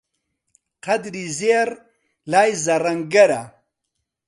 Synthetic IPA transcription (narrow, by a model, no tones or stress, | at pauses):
qɐd̪ɾizeɾ | laːjzɐɾɐŋɡɐɾa